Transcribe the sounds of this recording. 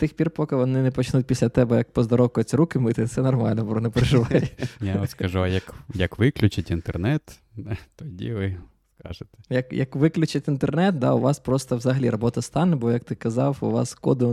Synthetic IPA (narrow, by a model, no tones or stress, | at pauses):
t̪ɪxpʲirpɔkɪʋɔnɪnɛpɔt͡ʃnutʲpʲisʲlʲɐt̪ɛbɛjɐk̚pɔzd̪ɔɾɔwkʊjʊt͡sʲɾukɪmɪt̪ɪt̪sɛnɔrmɑ̰lʲnɔbɾɔnɛpɾeʒɪʋɑjjaɔskɐʒuɐjɐkjɐkʋɪklʲʊt͡ʃɪtʲint̪ernɛt̪ | ɛt̪ɔdʲḭʋɪ | skɑ̰ʒɪt̪ɛ̥jɐkjɐkʋɪklʲʊt͡ʃɪtʲint̪ernɛt̪̚d̪ɑ̰ʊʋɑspɾɔst̪ɐwzɐɦɐlʲiɾɔbɔt̪ɐst̪ɑnːɛbɔjɐk̚t̪ɪkɐzɑwʊ̰ʋɑ̰skɔd̪ɪ